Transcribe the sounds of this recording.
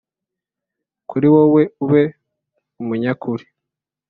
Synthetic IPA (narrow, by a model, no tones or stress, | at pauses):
kʰuɾiwoweuβe | umuɲakuɾi̥